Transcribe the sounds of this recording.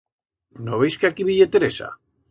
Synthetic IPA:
noβejskeakiβiʎet̪eɾesa̰

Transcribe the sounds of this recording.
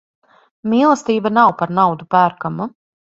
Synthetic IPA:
miːlˠəst̪iːbanawpaɾnawd̪upæːɾkamu

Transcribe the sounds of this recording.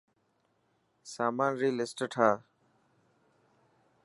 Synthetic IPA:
saːmaːnɾiːlɪsʈəʈʰaː

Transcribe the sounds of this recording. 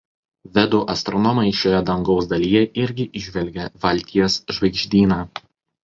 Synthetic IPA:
ʋʲɛd̪uʔɐst̪ɾɔnɔmɐɪʃʲoːjɛd̪ɐŋɡɒʊsd̪ɐlʲijɛʔɪɾʲɡʲɪʔɪʒʲʋʲɛlʲɡʲɛʋɐlʲˑt̪ʲiɛsʒʋɐɪɡʒʲd̪ʲiːnɑː

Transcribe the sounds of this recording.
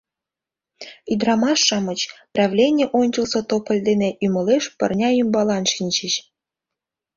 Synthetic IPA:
yd̪rɑmɑʃːɑmɤ̆t͡ɕprɑvlʲenʲeʔonʲt͡ɕə̆lsŏt̪opə̆lʲd̪eneʔymə̆leʃpə̰̆rnʲɑymbɑlɑnʃinʲt͡ɕəɕ

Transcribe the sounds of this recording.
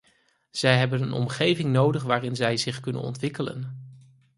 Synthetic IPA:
z̥ɛjɦɛbənənɔ̰mχejvɪŋnowdəχʋaːrɪnzɛjzɪχkɵnə̰nɔ̰ntʋɪkələ̰n

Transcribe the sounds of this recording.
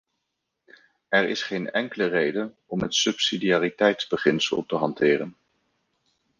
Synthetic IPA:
ɛɹɪ̰sχejnɛŋkələrejdən | ɔmɦətsɵpsidiaːritɛjtzbəχɪnsə̰lˠtəɦɑntɪːrən

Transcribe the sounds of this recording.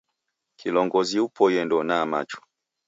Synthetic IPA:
kʰilɔŋɡɔziupʰɔjɛndɔnama̰t͡ʃɔ̥

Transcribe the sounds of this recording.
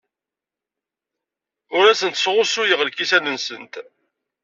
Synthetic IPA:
ʊɾæsənt̪sʁʊsujəʁlkisænənsənt̪

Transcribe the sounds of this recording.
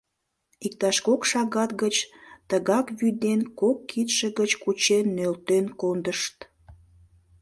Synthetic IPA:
ikt̪ɑʃkokʃɑɣɑt̪ɡət͡ɕt̪əɣɑkβyd̪enkokːit̪ʃə̆ɣət͡ɕkut͡ɕenːølt̪enkond̪əʃt̪

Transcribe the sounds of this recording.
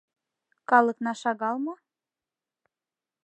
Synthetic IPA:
kɑlˠə̆knɑʃɑɣɑlˠmɑ

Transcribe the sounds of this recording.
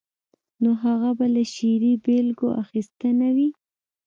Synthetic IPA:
noɦaɣabalaʃiɾibelɡoʔaxist̪ənawi

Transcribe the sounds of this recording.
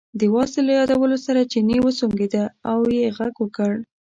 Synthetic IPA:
d̪əwɑsɪlajɑd̪awəlosaɾat͡ʃinewəsoŋɡed̪aawjeɣaɡwəkəɽ

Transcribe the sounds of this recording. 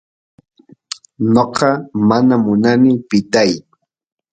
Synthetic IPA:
noqɑmanamʊnanɪpɪt̪aj

